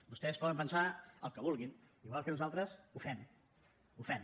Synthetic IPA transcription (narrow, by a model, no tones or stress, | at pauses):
bust̪ɛspɔðəmpənsaə̰lˠkəβulˠɣin | iɣwalˠkəuzalˠt̪ɾəsufɛm | ufɛm